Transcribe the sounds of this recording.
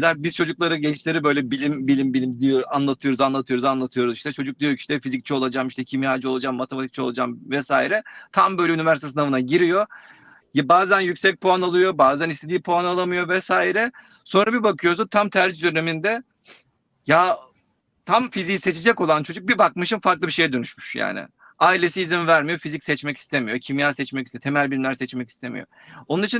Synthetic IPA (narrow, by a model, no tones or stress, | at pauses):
id̪ʲaɾbizt͡ʃʰo̞d͡ʒuklˠaɾɯɟɛnt͡ʃlʲe̞ɾibø̞jlʲɛbilʲimbilʲimbilʲimd̪ijoanlˠat̪ʰɯjo̞ɾuzanlˠat̪ʰɯjo̞ɾuzanlˠat̪ʰɯjo̞ɾuziʃt̪ʰɛt͡ʃʰo̞d͡ʒuk̚d̪ijo̞cʰi̥ʃt̪ɛfizic̚t͡ʃʰɛo̞lˠad͡ʒaːmiʃt̪ʰɛcʰimiaːd͡ʒɯo̞lˠad͡ʒamːat̪ʰemat̪ʰic̚t͡ʃʰɛolˠad͡ʒamvɛsaːiɾɛt̪ʰambø̞jlʲɛynivæɾst̪ɛsɯnavɯnaɟiɾijo̞ | jabaːzænjycsɛc̚pʰoanalˠɯjo̞baːzænist̪ʰe̞d̪iːpʰoanalˠamɯjo̞vɛsaːiɾɛ | so̞nɾabibakʰɯjo̞s̬unt̪ʰamt̪ʰæɾd͡ʒd̪øne̞mind̪ɛ | ja | t̪ʰamfizise̞t͡ʃʰed͡ʒɛko̞lˠant͡ʃʰo̞d͡ʒuk̚bibakmɯʃɯmfaɾklˠɯbiʃe̞jɛd̪ønyʃmyʃja̰ːnɪ̰ | aːilʲe̞siːzimvæɾmijo̞fizicʲsɛt͡ʃmɛci̥st̪ʰemijo̞cʰimjaːsɛt͡ʃmɛci̥st̪t̪ʰe̞mælʲbiɾimlʲæɾsɛt͡ʃmɛci̥st̪ʰe̞mḭjo̰ | onunit͡ʃʰin